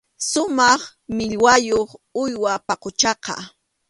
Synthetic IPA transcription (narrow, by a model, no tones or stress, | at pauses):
sʊmɑχ | mɪʎwajoχʊjwapɑqʊt͡ʃɑqɑ̰